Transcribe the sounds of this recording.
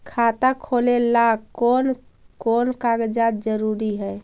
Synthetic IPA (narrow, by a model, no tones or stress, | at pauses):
kʰat̪akʰolelakonkonkaɡd͡ʒat̪̚d͡ʒəɾuɾiɦɛj